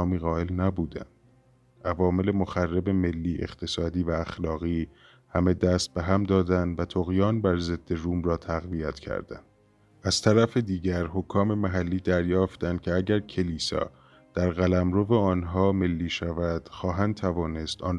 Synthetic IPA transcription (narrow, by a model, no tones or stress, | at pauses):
miːɣɒːelnæbuːd̪æ̰nd̪̥ | ʔævɒːme̞le̞moxærːe̞be̞me̞lːiːʔe̞̰χt̪ʰe̞sɒːd̪iːvæːxlɒːɣiː | hæme̞d̪æːst̪̚beɦæmd̪ɒːd̪ænd̪væt̪ʰoɣjɒːnbæɾze̞d̪ːe̞ruːmɾɒːt̪ʰæɣviæt̪cʰæ̰ɾd̪̥æ̰nd̪̥ | æz̥t̪ʰæɾæfed̪iːɟæɾhokʰːɒːme̞mæɦælːiːd̪æɾjɒːft̪ænd̪̚cʰe̞æɟæɾcʰe̞liːsɒ̰ː | d̪̥æɾɣælæmɾove̞ɒːnɦɒːme̞lːiːʃævæd̪̥xɒːɦænd̪̚t̪ʰævɒːne̞st̪ɒːn